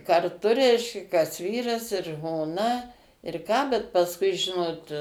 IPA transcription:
kɐrˈtʊ ˈrʲɛɪʃʲkʲɛ kɐs ˈʋʲiːrɐs ɪr ʒmoːˈnɐ ɪr ˈkɑː bʲɛt pɐsˈkʊɪ ˈʒʲɪnoːt

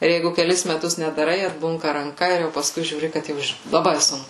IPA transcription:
ˈɪr ˈjɛɪɡʊ kʲɛˈlʲɪs mʲɛˈtʊs nʲɛdɐˈrɐɪ ɐdˈbʊŋkɐ rɐŋˈkɐ ɪr jɛʊ pɐˈskʊɪ ʒʲuːˈrʲɪ kɐt ˈjɛʊ ˈɪʃ lˠɐˈbɐɪ ˈsʊŋkʊ

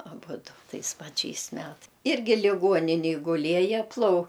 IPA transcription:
ɐˈbʊdʊ ˈtɐɪs pɐˈt͡ʃʲɛɪs ˈmʲɛt ˈɪrʲɡʲɪ lʲɪˈɡuɔnʲɪnʲeːj ɡʊˈlʲiɛjɛ plˠɐʊ

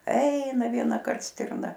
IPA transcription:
ˈɛɪnɐ ʋʲiɛnɐˈkɐrt ˈsʲtʲɪrnɐ

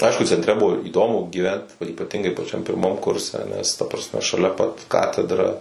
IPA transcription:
ˈɐɪʃkʊ t͡sʲɛnʲtʲˈrʲɛ ˈbʊʋoː iːˈdoːmʊ ɡʲiːˈʋʲɛnt oː iːpɐˈtʲɪŋɡɐɪ pɐˈt͡ʃʲɛm pʲɪrˈmɐm ˈkʊrʲsʲɛ nʲɛs tɐ prɐsʲˈmʲɛ ʃɐˈlʲɛ pɐt ˈkɑːtʲɛdrɐ

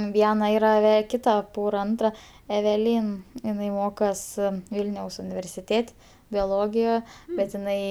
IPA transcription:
ˈʋʲiɛnɐ ˈiːrɐ ʋʲɛ ˈkʲɪtɐ ˈpoːrɐ ˈɐntrɐ ɛʋʲɛˈlʲiːn ɪˈnɐɪ ˈmoːkoːs ˈʋʲiːlʲnʲɛʊs ʊnʲɪʋʲɛrʲsʲɪˈtʲeːtʲ bʲoːˈlˠoːɡʲɪjɛ bʲɛt ɪˈnɐɪ

